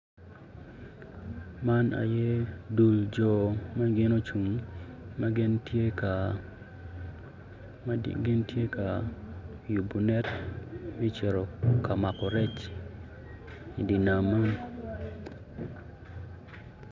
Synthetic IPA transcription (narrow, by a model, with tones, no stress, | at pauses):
ma˦na̰˨je˦du˨ld͡ʒɔ˨ma˦ɡɪ˦no˦t͡ʃu˨ŋma˦ɡɪ˦ntje˦ka | ɡɪ˦ntje˦ka˨ | ju˨bu˨nɛ˦tmɛ˦t͡ʃe˨ɾo˨ka˨ma˨kɔ˨ɾɛ˦t͡ʃ | i˨di˨na˨mːa˦n